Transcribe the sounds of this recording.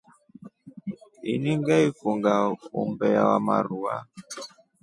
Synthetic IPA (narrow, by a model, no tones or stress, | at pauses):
iniŋɡaifuŋɡaumbɛjawamaɾua̰